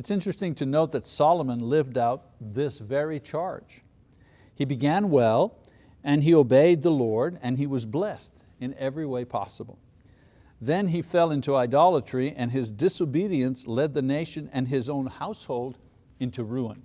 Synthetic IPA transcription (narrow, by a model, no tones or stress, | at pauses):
ɨtsɪ̃nt͡ʃɹ̥ɨstɪ̃ŋtʰɨnoʊt̪̚ðɨtsɑlˠəmə̃nlɪvdaʊt̪̚ðɪsvɛɹit͡ʃʰɑɹd̥ʒ̥ | hibɨɡæ̃nwɛlˠ | ɨ̃nioʊbeɪd̪̚ðəlɔɹɾɨ̃niwʌzblɛst | ɨ̃nɛvɹiweɪpʰɑ̰səbl̩ˠ | ðɨ̃nifɛlˠɪ̃ntuaɪdɑlˠət͡ʃɹ̥iʔɨ̃nɪzdɪsoʊbiɾiɨ̃nslɛd̪̚ðɨneɪʃɨ̃nɨ̃nɪzõʊ̃nhaʊshoʊlˠd | ɪ̃ntʰuɹuə̰̃n